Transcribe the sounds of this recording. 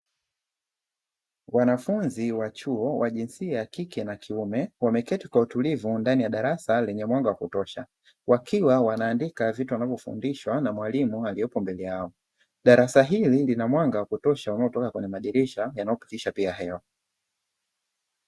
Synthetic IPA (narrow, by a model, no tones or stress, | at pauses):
wanafunziwat͡ʃuɔwaʄinsiajakikɛnakʰiumɛwamɛkɛtikwautulivundanijaɗaɾasalɛɲɛmwaŋɡawakutɔʃa | wakʰiwawanaːndikavituanavɔfṵndiʃwanamwalimualijɔpɔmbɛlɛjaɔ | ɗaɾasaɦililinamwaŋɡawakutɔʃaunaɔtɔkakwɛɲɛmaɗiɾiʃajanaɔpi̥tiʃapiaɦɛa